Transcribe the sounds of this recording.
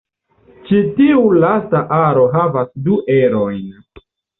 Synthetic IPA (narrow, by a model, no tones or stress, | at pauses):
t͡ʃitiulastaʔaɾo̞ɦavasduʔeɾo̞jn